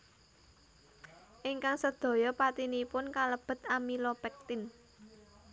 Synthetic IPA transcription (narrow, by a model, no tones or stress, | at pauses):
ʔiŋkaŋsəd̪̥o̤jɔpat̪inipʊnkaləb̥ə̤t̪amilɔpɛk̚t̪ɪn